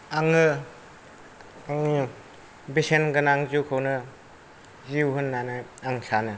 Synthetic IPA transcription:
aŋɯ | aŋi | bisenɡɯnaŋzuwkʰɯwnɯ | ziwɦɯnːanɯaŋɬanɯ

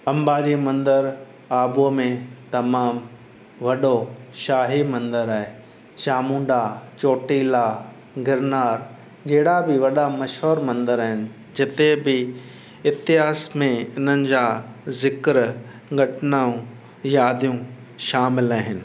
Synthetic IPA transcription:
ɐ̃mbaːd͡ʑimɐ̃nd̪əɾ | aːbomẽt̪ɐmaːm | ʋɐɗoʃaːɦimɐ̃nd̪əɾaːɦe | t͡ʃaːmũːɳɖat͡ɕoːʈiːla | ɡɪɾnaːɾ | d͡ʑɐɦɪɽabɪʋɐɗamɐʃɦoːɾmɐ̃nd̪əɾaːɦɪnɪ̆ | d͡ʑɪt̪ebɪ | ɪt̪ɪɦaːsmẽɪn̤ənɪ̆d͡ʑaːzɪkɾ | ɡʱɐʈɪnaːũ | jaːd̪ʱijũ | ʃaːmɪlaːɦɪnɪ̆

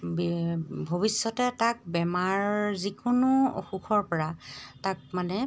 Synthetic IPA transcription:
bbʱobisːɔtɛtak̚bɛmaɹzikʊnʊ̰xuxʰɔɹpɔɹatak̚manɛ

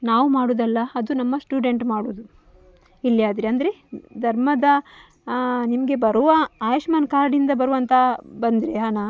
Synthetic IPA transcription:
naːʋumaːɽuːd̪ɐlːɐɐd̪unɐmːɐsʈjuːɖe̞ɳʈmaːɽuːd̪u | ilːijaːd̪ɾeɐnd̪ɾed̪ʱɐɾmɐd̪ɐ | nimɐɡe̞bɐɾuʋɐaːjɐʂmaːnkaːɾɖind̪ɐbɐɾuʋɐnt̪ʰɐbɐnd̪iɾeɦaːna

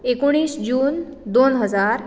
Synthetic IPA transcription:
ekoɽ̃iːsd͡ʑuːnd̪onɦəd͡zaɾ

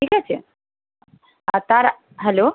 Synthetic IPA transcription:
ʈʰiːkat͡ɕʰḛ | at̪aɾ | ɦɛlo

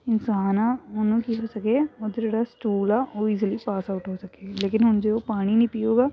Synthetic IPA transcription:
ɪnsaːnaːonũːkiɦoːsəkeːoːd̪d͡ʒeːɽaːsʈuːlaːʔoːiːzəliːpaːsaʊʈɦoːsəkeːleːkɪnɦʊnd͡ʒeːoːpaːɽ̃iːnĩːpiːoːɡaː

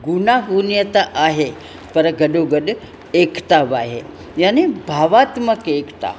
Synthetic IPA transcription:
ɡunaɦunjət̪aʔaɦe | pəɾəɡəɖoɡəd̪ | ekt̪aʋaɦe | janibʱaʋat̪məkekt̪a̰

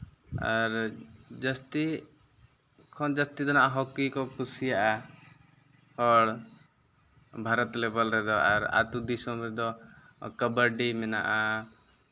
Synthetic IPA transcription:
a̰ɾd͡ʒəst̪i | kʰɔnd͡ʒəst̪id̪ɔnaʔaɦɔkikɔkusijaʔa | hɔɽ | bʱaɾɔt̪lɛbɔlɾɛd̪ɔa̰ɾa̰t̪ud̪isɔmɾɛd̪ɔkəbəɖimɛna̰ʔa

